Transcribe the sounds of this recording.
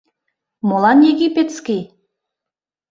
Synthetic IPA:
molɑnjeɣipet̪skij

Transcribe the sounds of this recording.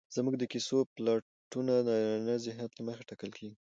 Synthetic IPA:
z̥muɡd̪əkisoplɑ | ʈunad̪nazɪɦnat̪laməxeʈɑkəlkʰeɡi

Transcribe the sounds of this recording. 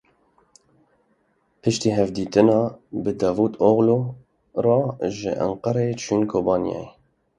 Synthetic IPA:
pʰɨʃt̪iːɦɛvd̪iːt̪ɨnɑːbɨd̪ɑːvuːt̪oɣlo | rɑʒɪ̰ʔæ̰ɴqɑɾet͡ʃʰynkʰoːbɑːnijɛ̰je

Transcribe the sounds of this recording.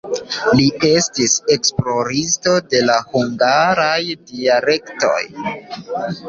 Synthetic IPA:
lie̞stise̞ksplo̞ɾisto̞de̞lahuŋɡaɾajdiale̞kto̞̰j

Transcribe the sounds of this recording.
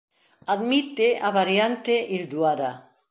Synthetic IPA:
ad̪mit̪eʔaβaɾjant̪eʔild̪uaɾa

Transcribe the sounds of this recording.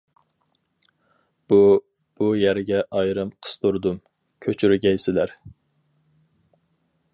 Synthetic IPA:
b̥u | b̥ujæɾɡʲɛʔɑjɾɨmqʰə̥st̪uɾd̪um | kʲʰøt͡ʃʰyɾɪɡʲɛjsɪlæɾ

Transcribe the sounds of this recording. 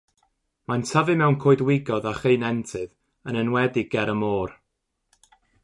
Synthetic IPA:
mantʰəvɨmɛwnkʰoːɨdwɪɡɔðaχeɨnɛntʰɨð | ənənwɛdɪɡ̥ɛɾəmoːr

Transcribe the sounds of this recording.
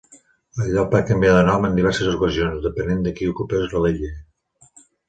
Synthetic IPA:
əʎapakəmbiaðənɔmənd̪iβ̞ɛɾsəzukəzionzðəpənend̪əkiukupezləleʎe

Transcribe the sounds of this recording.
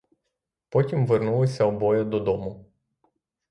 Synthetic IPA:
pot̪ʲimvɨrnuusʲawbojəd̪od̪omu

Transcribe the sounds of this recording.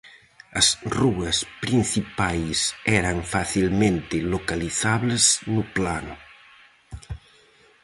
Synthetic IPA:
ɐsruɐspɾinθipajsɛɾɐŋfaθilmẽnt̪ɪlokaliθaβleznʊplanʊ

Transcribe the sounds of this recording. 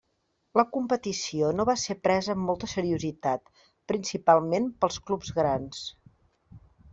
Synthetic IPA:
ləkumpət̪isionoβasepɾɛzəːmːɔlˠt̪əsəɾiuzit̪at̪̚ | pɾinsipalˠmempəlˠsklubzɣɾans

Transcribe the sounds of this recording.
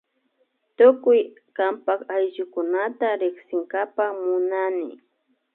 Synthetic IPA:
t̪ʊkʊj | kampakajʒʊkʊnat̪aɾɪχsɪŋɡapamʊnanɪ̰

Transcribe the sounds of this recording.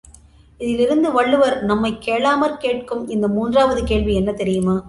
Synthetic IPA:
ɪðɪlɪɾɯnd̪ɯʋɐɭːɯʋɐɾnɐmːɐɪkːeːɭaːmɐɾkeːʈ̚kɯmɪnd̪ɐmuːndraːʋɐðɯkeːɭʋiɛnːɐt̪ɛɾɪjɯmaː

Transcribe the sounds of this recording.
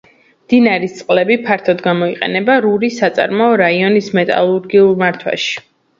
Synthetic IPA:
md̪̥inaɾist̪sʼqʼlɛbipʰaɾt̪ʰɔd̪ɡamɔiqʼɛ̰nɛbaɾuɾisat̪sʼa̰ɾmaɔɾaiɔnismɛt̪ʼa̰lˠuɾɡiulˠmaɾt̪ʰwa̰ʃi̥

